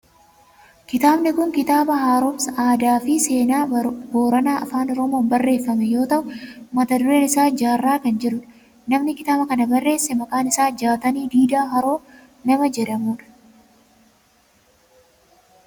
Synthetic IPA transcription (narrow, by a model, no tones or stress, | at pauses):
kɪt̪aːbnɪkʊŋkɪt̪aːbɐɦaːɾɔbsʔaːd̪aːfɪse̞ːnaːbo̞ːɾɐnaːʔɐfaːnɔɾɔmo̞ːmbɐrːe̞ːfːɐmɛjo̞ːt̪ɐʔʊmɐt̪ɐd̪ʊɾe̞ːnɪsaːd͡ʒaːrːaːkɐnd͡ʒɛɾʊn | nɐmnɪkɪt̪aːbɐkɐnɐbɐrːe̞ːsːɛmɐkʼaːnɪsaːd͡ʒaːt̪ɐniːd̪iːd̪aːɦɐɾo̞ː | nɐmɐd͡ʒɛd̪ɐmuːᶑɐ̥